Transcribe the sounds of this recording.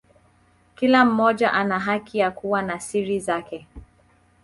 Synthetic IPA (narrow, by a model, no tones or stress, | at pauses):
kilam̩mɔd͡ʒaʔanaɦakʰijakuwanasiɾizakɛ